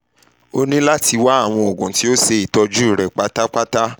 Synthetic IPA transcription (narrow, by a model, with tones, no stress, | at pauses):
o˦nĩ˦la˦ti˧wa˦a˦˨w̃ɔ̃˧o˨ɡũ˨ti˨˦o˦se˧i˨tɔ˧d͡ʒu˦i˦˨ɾɛ˨k͡pa˧˦ta˦k͡pa˦ta˦